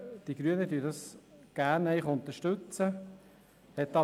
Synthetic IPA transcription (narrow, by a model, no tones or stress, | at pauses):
d̪̥iɡ̥ɾyənəd̪yːdɑsɡ̥æːɾnɛɪχʊnt̪əʃtɵt͡sə | hɛt̪ːɑ